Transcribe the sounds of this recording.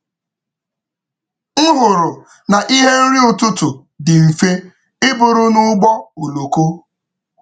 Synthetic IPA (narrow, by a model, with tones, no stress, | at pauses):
ŋ̩˦ɦʊ˨ɾʊ˨ | na˨ʔi˦ɦe˦n̩˦ɾi˦ʊ˨tʊ˦tʊ˨ | dɪ˨m̩˨fe˦ | ɪ˦bʊ˨ɾʊ˦nʊ˦ɡ͡bɔ˦o˨lo˨ko˦